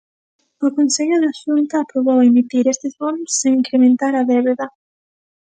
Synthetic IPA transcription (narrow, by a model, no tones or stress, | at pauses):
ʊkõnseʎʊðaʃunt̪ɐːpɾoβowemit̪iɾest̪ɪzβonʊsːeŋiŋkɾemẽnt̪aɾɐðeβeðɐ